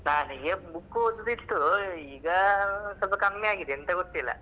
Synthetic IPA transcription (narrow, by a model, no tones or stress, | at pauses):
naːnɨɡebukːuud̪d̪isʈ̪uiːɡɐsɐlpɐkɐmmeaːɡid̪eent̪ɐɡot̪ːilːɐ̰